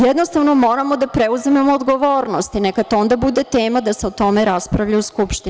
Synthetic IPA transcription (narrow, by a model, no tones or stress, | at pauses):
jed̪no̞st̪aʋno̞mo̞ːɾamo̞d̪apɾeuzimemoːd̪ɡo̞ʋoːɾnost̪inekat̪o̞nd̪abud̪et̪eːmad̪aseot̪o̞meɾaspɾaʋʎauskupʃt̪i